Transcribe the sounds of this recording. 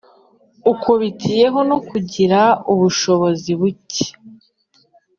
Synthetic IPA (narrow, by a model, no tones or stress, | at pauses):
ukoβitʰije̞ɦo̞no̞kuɟiɾauβuʃo̞βo̞ziβuce̥